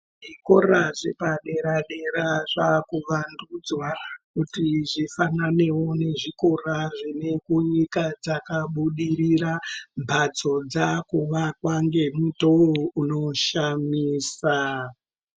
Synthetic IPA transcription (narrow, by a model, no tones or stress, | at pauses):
ʐiko̞raʐepaɗe̞ɾaɗe̞ɾaʐakuʋandud͡zwakutiʐifanane̞wo̞ne̞ʐiko̞raʐine̞kuɲikad͡zakaɓuɗiɾiɾambʱad͡zo̞d͡zakuʋakwaŋɡe̞mutouno̞ʃamiːsa